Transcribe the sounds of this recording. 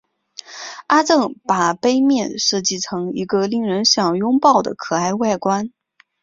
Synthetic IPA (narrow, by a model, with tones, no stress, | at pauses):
a˥t͡sɤ˥˧ŋpa˨˩pe˥ɪmjɛ˥˧nʂɤ˥˧t͡ɕi˥˩ʈ͡ʂʰɤ˧˥ŋi˧˥ɡə˧li˥˩ŋɻə˧˥nɕjɑ˨˩ŋjʊ˥ŋpɑ˥˩ʊd̪ə̰˩kʰɤ˨˩a˥˧ɪwa˥˩ɪkwa˥n